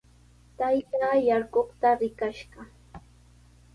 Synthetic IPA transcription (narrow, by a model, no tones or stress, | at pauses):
t̪ajt̪ajaɾkoχt̪aɾɪkaʃɢɑ